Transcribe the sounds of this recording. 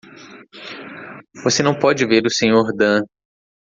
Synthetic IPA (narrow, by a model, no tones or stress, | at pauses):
vosenɐ̃w̃pɔd͡ʒɪveɾʊsẽɲoɾd̪ɐ̃